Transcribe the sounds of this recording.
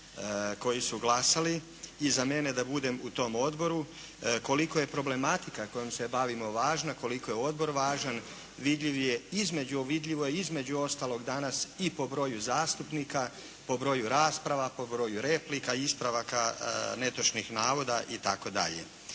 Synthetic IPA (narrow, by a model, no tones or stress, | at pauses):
ko̞jisuɡlˠasaliː | zamene̞d̪abud̪e̞mut̪o̞mo̞d̪bo̞ɾu | ko̞liko̞je̞pɾo̞ble̞mat̪ikako̞jomse̞baʋimo̞ʋaːʒnako̞liko̞jeo̞d̪̚bo̞ɾʋaːʒan | ʋid̪ʎiʋjeizme̞d͡ʑuoʋid̪ʎʲiʋo̞eizme̞d͡ʑuo̞st̪aːlˠo̞ɡd̪anasipo̞bɾo̞juzaːst̪upnika | po̞bɾo̞juɾaːspɾaʋapo̞bɾo̞ːjuɾe̞plikaispɾaʋakane̞t̪ot͡ʃnixnaːʋo̞d̪aʔit̪ako̞d̪a̰ʎḛ